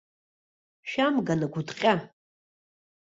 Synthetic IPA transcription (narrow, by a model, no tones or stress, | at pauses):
ʃamɡanaɡʷʊdqʲʼa